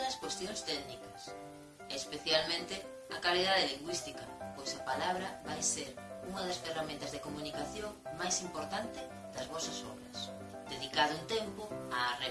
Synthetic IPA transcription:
ðɐskwest̪joŋst̪ɛɣnikɐs | ɛːspeθjalmẽnt̪ɪ | ɐ̰kaliðaðeliŋɡwist̪ikɐpojsapalaβ̞ɾɐβajseɾuŋɐðɐsferamẽnt̪ɐzðekomunikaθjoŋmajsimpoɾt̪ant̪ɪ | ðɐzβɔsɐsɔ̰βɾɐs | d̪eðikaðʊunt̪ɛmpoare

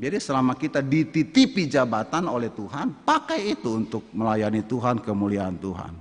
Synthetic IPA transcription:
d͡ʒadisəlamakit̪adit̪it̪ipid͡ʒabat̪anolɛht̪uɦanpakajit̪uːnt̪ʊk̚məlajanit̪uɦankəmuliaːnt̪uɦa̰n

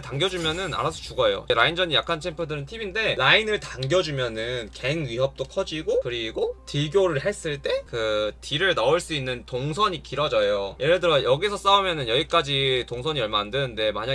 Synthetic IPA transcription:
taŋɡjʌd͡ʑumjʌnɯna̰ɾasʰʌt͡ɕuɡʌjo̰eɾaind͡ʑʌɲijakʰant͡ɕʰempʰjodɯɾɯntʰibinde̞lainɯɭtaŋɡjʌd͡ʑumjʌnɯnke̞ŋɥiɦʌp̚t͈okʰʌd͡ʑiɡokɯɾiɡotiɡjoɾɯɭɦe̞s͈ɯɭt͈e̞kɯtiɾɯɭnʌɯɭs͈uinːɯntoŋsʰʌɲikiɾʌd͡ʑʌjojeɾɯdɯɾʌjʌɡisʰʌs͈aumjʌnɯnjʌɡik͈ad͡ʑitoŋsʰʌɲiʌɭmaandɯnɯnde̞maɲa

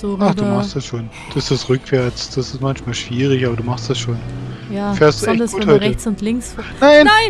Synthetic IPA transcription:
zoʔaχd̥uːmaχstd̥asʃoːn | d̥ɪstd̥asʁʏkv̥ɛɐt͡sd̥asɪ̥stmançmaːlʃv̥iːʁ̞ɪçʔaːbɐduːmaχstd̥asʃoːn | jaːfeːɐstd̥uɡuːhɔʏʁət͡sʊntlɪŋsnaɪnaɪ

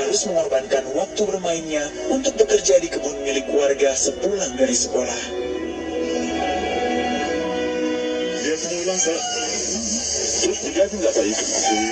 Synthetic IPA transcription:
aɾʊsməŋarbankanwak̚t̪ubərmaɪnɲa | unt̪ʊk̚bəkərd͡ʒadikəbʊnmilɪkuarɡasəpulaŋdaɾisəkolah | diakənailaŋsa | t̪əɾʊsbiɡadiŋɡabaik

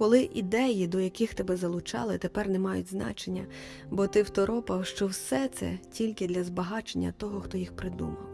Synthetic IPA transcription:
kɔlˠɪʔid̪ɛjid̪ɔjɐkɪxt̪ɪbɛzɐlˠʊt͡ʃɑ̰lˠɪt̪epɛrnɛmɑjʊtʲznɑ̰t͡ʃenʲːɐ | bɔt̪ɪwt̪ɔɾʔɔpɐwʃt͡ʃɔwsɛt̪sɛ̰tʲilʲkɪd̪lʲɐzbɐɦɑt͡ʃenʲːɐ̰t̪ɔɦɔxt̪ɔjixpɾɪd̪ṵmɐ̰w

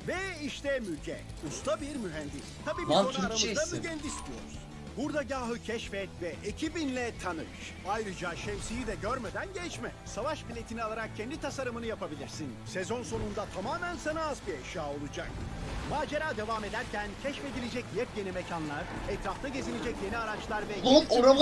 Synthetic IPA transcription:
vɛiʃt̪ʰɛmycʰɛ̰ust̪ʰabiɾmyɦɛnd̪ist̪ʰabiːbionaaɾamɯzd̪amyɟɛnd̪isd̪ijo̞̰ɾuz̥ | buɾd̪aɟaːɦɯcʰɛʃfɛt̪vɛʔecʰibinlʲɛt̪ʰanɯʃ | ajɾɯd͡ʒaʃɛmsijid̪ɛɟøɾmed̪ænɟɛt͡ʃmɛ | savaʃpilʲet̪ʰinialˠaɾak̚cʰːɛnd̪it̪ʰasaɾɯmɯnɯjapabilʲiɾsinsezo̞nso̞nund̪at̪ʰamaːmænsanaːzbieʃjaːo̞lˠud͡ʒak̚maːd͡ʒeɾaːd̪e̞vaːme̞d̪æɾcʰæncʰɛʃfe̞d̪ilʲed͡ʒɛcjɛpjenimecʰanlˠaɾɛt̪ɾaft̪ʰaɟe̞zilʲed͡ʒɛcje̞niaɾat͡ʃlˠaɾvɛkoɾa

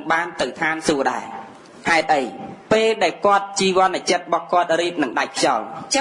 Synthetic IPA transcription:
ŋɓaːnt̪ɨwt̪ʰaːnsuəɗa̰ɛ | haɛt̪̚ʔəjpeːlɗaɛlkŏət̪̚t͡ɕiːʋŏənɨt͡ɕət̪̚ɓɑhkŏət̪̚riːp̚nɨŋɗac̚kʰjɑlt͡ɕ

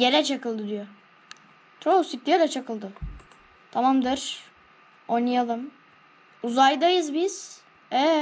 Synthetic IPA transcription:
jeɾɛt͡ʃʰakɯlˠd̪ɯd̪ijo | t̪ʰɾosik̚d̪ijeɾɛt͡ʃʰakɯlˠd̪ɯ | t̪ʰamamd̪ɯɾ̥ | ojnajalˠɯm | uzajd̪ajɯzbiz̥ | ɛ

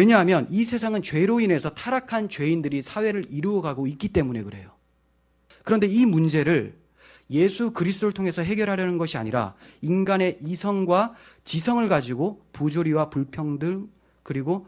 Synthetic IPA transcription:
we̞ɲʌɦamjʌnisʰe̞sʰaŋɯnt͡ɕwe̞ɾoine̞sʰʌtʰaɾakʰant͡ɕwe̞indɯɾisʰawe̞ɾɯɾiɾuʌɡaɡoik͈it͈e̞mune̞kɯɾe̞̰jo | kɯɾʌnde̞imund͡ʑe̞ɾɯɭ | je̞sʰukɯɾis̬ʰt͈oɾɯɭtʰoŋe̞sʰʌɦe̞ɡjʌɾɦaɾjʌnɯnɡʌɕʰia̰ɲiɾa̰inɡane̞ʔisʰʌŋɡwa | t͡ɕisʰʌŋɯɭɡad͡ʑiɡopud͡ʑoɾiwapuɭpʰjʌŋdɯ | kɯɾiɡo

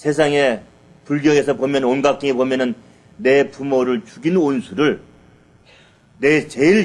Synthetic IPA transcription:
sʰe̞s̬ʰaŋe̞ | puɭɡjʌŋe̞sʰʌpomjʌnonɡak͈iŋepomjʌnɯnː | e̞pumoɾɯɭt͡ɕuɡinonsʰuɾɯɭ | ne̞t͡ɕe̞iɭ

